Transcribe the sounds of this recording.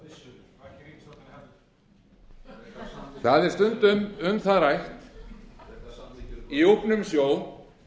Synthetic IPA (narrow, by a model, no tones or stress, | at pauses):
θaðɛɾ̥st̪ʏnt̪ʏmʏmθaðɾajht̪ | iupnʏmsjoːw